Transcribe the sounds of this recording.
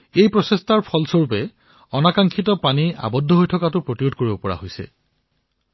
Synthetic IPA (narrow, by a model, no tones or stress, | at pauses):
ejpɹɔsestaɹpʰɔlsoɹupɛ | ɔnakaŋkʰitɔpania̰bɔdʱːɔɦojtʰɔkatʊpɹotiodkoɹibɔpɔɹa̰ɦojsɛ̰